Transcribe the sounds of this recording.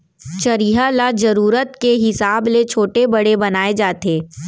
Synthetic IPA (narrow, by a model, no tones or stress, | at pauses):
t͡ʃɐɾiɦalad͡ʒɐɾuːɾət̪keɦɪsaːblet͡ʃʰoːʈebɐɽebɐnaːed͡ʒaːt̪eː